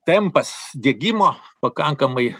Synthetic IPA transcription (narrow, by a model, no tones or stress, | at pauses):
t̪ʲɛmpɐsd̪ʲiɛɡʲimoːpɐkɐŋkɐmɐɪ